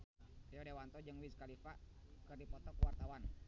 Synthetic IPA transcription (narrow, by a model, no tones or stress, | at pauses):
ijɔdewant̪ɔd͡ʒɨŋwiskalifakɨrdipɔt̪ɔkuwart̪awan